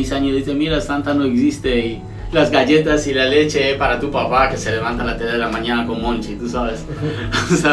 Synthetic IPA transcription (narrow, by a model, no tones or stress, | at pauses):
isaɲozðiθemiɾast̪ant̪anoeksist̪ei | lazɡaʝe̞t̪asilale̞t͡ʃe̞epaɾat̪upapake̞se̞le̞β̞ant̪anlat̪eðeðelamãɲanakonmõnt͡ʃit̪usaβes | sa